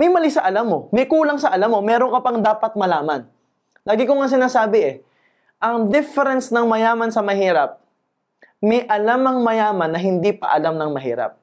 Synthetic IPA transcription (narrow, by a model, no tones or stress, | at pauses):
mɐjmɐlɪsɐʔɐlamːo̞mɐjkuːlɐŋsɐʔɐlamːo̞mɛːɾoŋkɐpɐŋd̪aːpɐt̪̚mɐlaːmɐn | laːɡɪkʊŋɐŋs̬ɪnaːsaːbɪʔɛ | ʔɐŋd̪ɪfɛɾɛnsnɐŋmɐjaːmɐnsɐmɐhiːɾɐp̚ | mɛjʔɐlamɐŋmɐjaːmɐnːɐɦɪnd̪ipɐ̰ʔɐlamnɐŋmɐɦḭːɾɐ̰p̚